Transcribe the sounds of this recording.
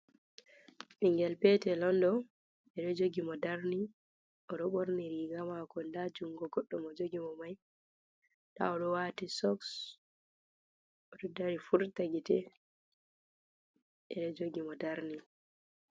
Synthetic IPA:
ɓiŋɡɛlpɛtɛlɔndɔ | ɛɗɔd͡ʒoɡimɔdaɾni | ɔɗɔɓoɾniɾiɡamakɔndad͡ʒumɡɔɡɔɗːɔmɔd͡ʒoɡimɔmaj | ɗa̰ɔɗɔwatisɔks | ɔɗɔdaɾifuɾtaɡitɛ | ɛɗɔd͡ʒoɡimɔdaɾni

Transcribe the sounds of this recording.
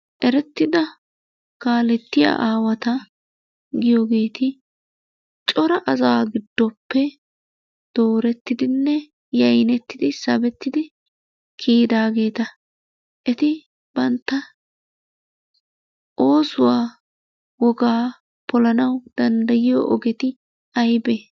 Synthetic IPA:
ʔɛɾɛt̪ːɪd̪ɐ | kaːlɛt̪ːɪja̰ːʔaːwɐt̪ɐ | ɡɪjoːɡe̞ːt̪ɪ | t͡ʃʼɔɾɐʔɐzaːɡɪd̪ːɔpːɛ | d̪̥o̞ːɾɛt̪ːɪd̪ɪnːɛ | jɐjnɛt̪ːɪd̪ɪsɐbɛt̪ːɪd̪ɪ | kʰiːd̪aːɡe̞ːt̪ɐ | ʔɛt̪ɪ | b̥ɐnt̪ːɐ | ʔo̞ːsʊwaː | wɔɡaː | pɔlɐnɐwd̪̥ɐnd̪ɐjɪjo̰ʔɔɡɛt̪ɪ | ɐjbeː

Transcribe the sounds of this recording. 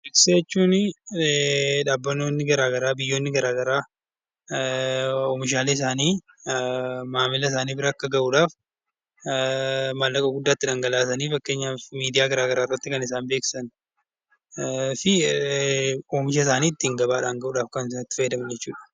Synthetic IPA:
bɪkseɛt͡ʃːuːnɪ | ᶑaːbːɐnoːnːɪɡɐɾaːɡɐɾaːbɪjːo̞ːnːɪɡɐɾaːɡɐɾaː | omɪʃ̬aːleːɪs̬aːniː | maːmɪlɐɪs̬aːniːbɪɾɐɐkːɐɡɐʔuːᶑaːf | mɐlːɐkʼɐɡʊd̪ːaːt̪ːɪᶑɐŋɡɐlaːs̬ɐniːfɐkːe̞ːɲːaːmiːd̪ɪjaːɡɐɾaːɡɐɾaːɪrːɐt̪ːɪkɐnɪs̬aːnbe̞ːkɪ̥sɐn | fɪ | oːmɪʃ̬ɐs̬aːniːɪt̪ːɪŋɡɐbaːᶑaːŋɡɐʔuːᶑaːfkɐnsnɐt̪ːɪ̥fɐjɐd̪ɐmɐnd͡ʒɛt͡ʃːuːᶑɐ̥

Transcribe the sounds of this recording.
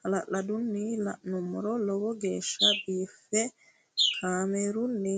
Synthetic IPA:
alaladunːila̰numɾɔlɔɡɔɡɛʃabifɛ | hamɛɾunːi

